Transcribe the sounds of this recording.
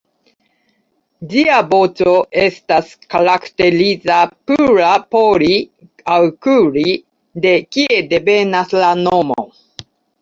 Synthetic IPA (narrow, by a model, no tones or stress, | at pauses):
d͡ʒiabo̞t͡so̞ʔe̞staskaɾakte̞ɾizapuɾapoɾi | awkuɾi | de̞kie̞de̞pe̞naslano̞mo̰